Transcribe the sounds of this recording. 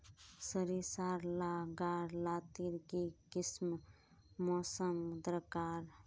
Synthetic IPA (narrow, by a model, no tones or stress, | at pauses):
səɾisaɾlaɡaɾlat̪iɾkikism | mɔsəmd̪ɾəkaɾ